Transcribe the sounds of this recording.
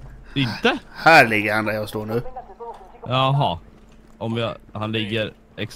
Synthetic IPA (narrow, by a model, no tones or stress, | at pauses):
ɪnt̪əhæːɭɪɡand̪ajɑːɡst̪oːɳʉ̟ː | jɑɦɑː | ʔɔmjɑhanlɪɡːəɾ | ɛks